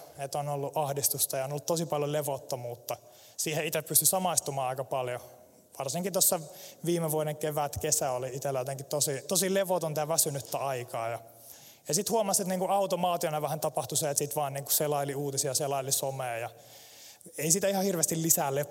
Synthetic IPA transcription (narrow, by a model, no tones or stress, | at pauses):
et̪onolːuʔɑhdist̪ust̪ɑjɑonolːut̪t̪osipɑljoleʋot̪ːɑmuːt̪ːɑ | siːheit̪eppyst̪ysɑmɑist̪umɑːɑikɑpɑljo | ʋɑrsiŋkit̪osːɑʋiːmeʋuodeŋkeʋæt̪kesæoliit̪elːæjot̪eŋkitt̪osit̪osileʋot̪ont̪æːʋæsynyt̪ːæɑikɑːjɑ | jɑsit̪huomɑset̪niːŋkuɑut̪omɑːt̪ionɑʋæhænt̪ɑpɑht̪useːet̪sit̪ʋɑːnniːŋkuselɑiliuːt̪isiɑselɑilisomeːjɑ | eisiːt̪æihɑhirʋest̪illisæːle